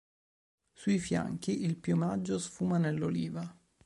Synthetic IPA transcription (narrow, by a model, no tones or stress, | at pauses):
suifja̰ŋk̟iʔilpjomad͡ʒːosfuːmanelːoliːva